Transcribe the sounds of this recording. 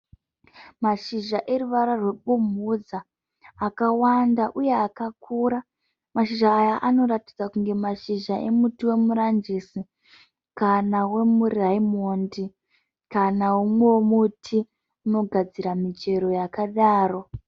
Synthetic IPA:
maʃiʒaʔe̞ɾuʋaɾarwe̞ɓumud͡zaː | kawandaʔuje̞akakʰuːɾa | maʃiʒaːjaʔano̞ɾatid͡zakuŋɡe̞maʃiʒaʔe̞mutiwe̞muɾand͡ʒisi | kanawe̞muriaimondi | kanaumwewomutʰi | uno̞ɡʱad͡ziɾamit͡ʃe̞ɾo̞jakaɗaːro̞

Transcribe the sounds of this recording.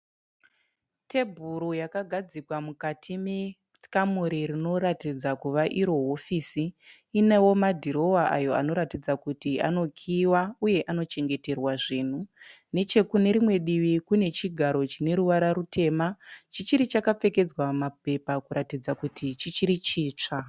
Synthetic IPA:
te̞bʱuɾujakaɡʱad͡zikwamukatʰime | tkamuɾiɾino̞ɾatid͡zakuʋaʔiɾo̞ɦo̞fiːsiː | newo̞madʱiɾo̞waʔa̰jo̞a̰no̞ɾatid͡zakutia̰no̞kʰiwauje̞ʔano̞t͡ʃe̞ŋɡe̞te̞rwaʐiːn̤u | ne̞t͡ʃe̞kune̞ɾimwe̞ɗiʋikune̞t͡ʃiɡʱaɾo̞t͡ʃine̞ɾuʋaɾaɾutʰe̞ːmat͡ʃit͡ʃiɾit͡ʃakap͡fe̞ke̞d͡zwamap̚e̞pakuɾatid͡zakutʰit͡ʃit͡ʃiɾit͡ʃiːt͡ʂa

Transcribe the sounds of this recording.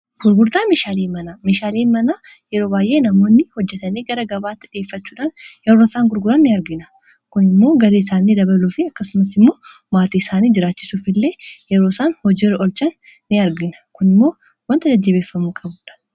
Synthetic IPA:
ɡ̥ʊɾɡʊɾd̪aːmeːʃaːleːmɐnaːmeːʃaːleːmɐnaː | jɛɾo̞ːbaːjʔe̞ːnɐmo̞ːnːɪhɔd͡ʒːɛt̪ɐneːɡɐɾɐɡɐbaːt̪ːɪᶑɪe̞ːfːɐt͡ʃːuːᶑaːnjɛɾoːɪsaːŋɡʊɾɡʊɾɐnːɪɐɾɡɪnɐ | kʊnɪmːo̞ːɡɐɾeɪsaːnːɪd̪ɐβɐluːfɪɐkːɐsʊmɐsɪmːo̞ː | maːt̪iːɪsaːniːd͡ʒɪɾaːt͡ʃːɪsuːfɪlːe̞ːjɛɾosaːnhɔd͡ʒiɾɔlt͡ʃɐnː | ɪɐɾɡɪnɐ̥kʊnɪmːo̞ː | wɐnt̪ɐd͡ʒɐd͡ʒːɪbe̞ːfːɐmuːkʼɐbuːᶑɐ̥

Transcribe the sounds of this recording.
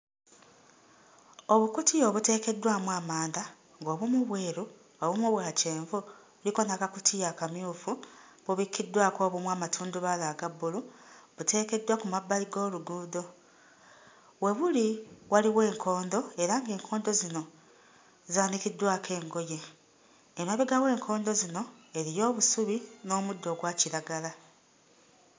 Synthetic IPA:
o̞βukutijo̞βute̞ːke̞dwamwaːmaːnd̪a | ŋɡo̞ːβumuβwe̞ːɾu | βaβumoβwaːce̞ːɱvu | βuliko̞nakakutʰijakamjuːfuβuβikʰːidwako̞ːβumwaːmatʰuːnduβalaɡabːuluβute̞ːke̞dwakumabːaliɡo̞ːluɡuːdo̞ | βwe̞βuliwaliwe̞ːŋkʰo̞ːndo̞e̞ɾaŋɡe̞ːŋkʰo̞ːndo̞zino̞ | zaːnikidwaːke̞ːŋɡo̞jeː | maβeɡawe̞ːŋkʰo̞ːndo̞zino̞e̞ɾijo̞ːβusuβino̞ːmudːo̞ɡwaːciɾaɡala

